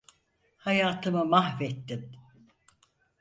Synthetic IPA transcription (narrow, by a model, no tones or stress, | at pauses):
hajaːt̪ʰɯmɯmahvɛt̪ːim